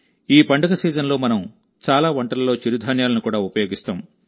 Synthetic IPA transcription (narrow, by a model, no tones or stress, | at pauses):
iːpɐɳɖɐɡɐsiːd͡ʒɐnlo̞ːmɐnɐm | t͡ʃaːlaːʋɐɳʈɐlɐloːt͡ʃiɾud̪ʱaːnjaːlɐnukuːɽaːupɐjoːɡist̪a̰ːm